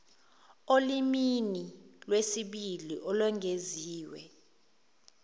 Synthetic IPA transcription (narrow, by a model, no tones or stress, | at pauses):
oliminilwesiɓiliʔɔlwɛŋʱeziːwɛ̰